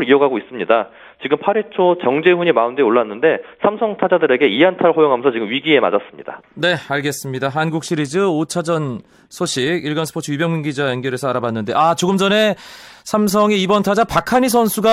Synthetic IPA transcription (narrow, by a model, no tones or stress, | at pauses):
ɾioɡaɡois͈ɯmɲida | t͡ɕiɡɯmpʰaɾet͡ɕʰot͡ɕʌŋd͡ʑehuɲimaundeoɭːanːɯnde̞sʰamsʰʌŋtʰad͡ʑadɯɾe̞ɡe̞iantʰaɾɭhojoŋɦamjʌnsʰʌt͡ɕiɡɯmɥiɡie̞ma̰d͡ʑas͈ɯmɲḭd̥a̰ne̞aɭɡe̞s͈ɯmɲidaɦanɡuk̚ɕ͈ʰiɾid͡ʑɯot͡ɕʰad͡ʑʌn | sʰoɕʰikiɭɡʌnsʰɯ̥pʰot͡ɕʰɯibjʌŋɲuŋɡid͡ʑajʌnɡjʌɾe̞sʰʌaɾabanːɯnde̞ʔat͡ɕoɡɯmd͡ʑʌne̞sʰams̬ʰʌŋeibʌntʰad͡ʑapakʰaɲisʰʌnsʰuɡa